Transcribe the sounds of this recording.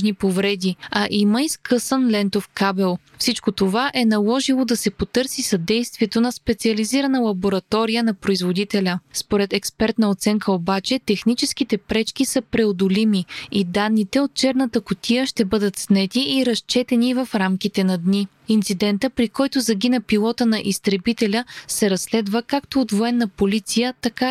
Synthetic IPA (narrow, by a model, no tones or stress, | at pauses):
ʒnipovɾɛd̪iɐʔiməiskɤsənlɛnt̪ofkabɛlˠ | fsit͡ʃkot̪ovaʔɛnɐlˠɔʒilˠod̪ɐsɛpot̪ɤɾsisɐd̪ɛjst̪viɛt̪onɐspɛt̪siəliziɾənəlˠɐboɾɐt̪ɔɾijənɐpɾoizvod̪it̪ɛlʲəspoɾɛt̪ɛkspɛɾt̪nəot̪sɛŋkʰəobat͡ʃɛt̪ɛxnit͡ʃɛskit̪ɛpɾɛt͡ʃk̟isəpɾɛod̪olimiid̪anːit̪ɛot̪̚t͡ʃɛɾnət̪əkʊt̪ʰijəʃt̪ɛbɤd̪ət̪snɛt̪iʔːɾɐst͡ʃɛt̪ɛnivəfɾamkit̪ɛnɐd̪ni | int̪sid̪ɛnt̪əpɾikɔjt̪ozɐɡ̟inəpilˠɔt̪ənɐʔist̪ɾɛbit̪ɛlʲəsɛɾɐsːlɛd̪vəkakt̪oːt̪voɛnːɐpolit̪sijət̪ɐka